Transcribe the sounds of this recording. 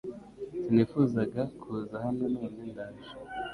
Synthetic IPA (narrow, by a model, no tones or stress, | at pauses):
siniːfuːzaɡakʰuzahamenomuɲeːndaːʒi